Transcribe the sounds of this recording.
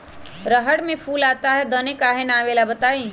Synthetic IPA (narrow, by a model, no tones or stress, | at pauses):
ɾəɦəɽmẽpʰuːlaːt̪aɦɛd̪ənekaːɦenaːʋeːlabət̪aːi